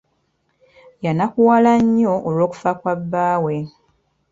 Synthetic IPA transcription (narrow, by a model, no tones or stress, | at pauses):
janakuwalaɲːo̞ʔolo̞ːku̥fakwabːaːwe̞